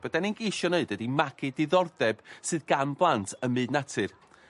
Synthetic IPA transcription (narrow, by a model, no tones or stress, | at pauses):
b̥ədɛninɡejʃɔneɨd̚ədimaɡʰɨdɪðɔrdɛb̥sɨðɡamblˠantʰəmɨːdnatʰɨr